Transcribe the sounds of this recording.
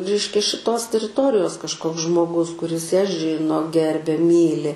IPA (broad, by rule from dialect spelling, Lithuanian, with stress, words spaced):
ˈrʲɛɪʃʲkʲɛ ʃʲɪˈtoːs tʲɛrʲɪˈtoːrʲɪjoːs kɐʃˈkoːks ʒmoːˈɡʊs kʊˈrʲɪs jæː ˈʒʲɪnoː ˈɡʲɛrʲbʲɛ ˈmʲiːlʲɪ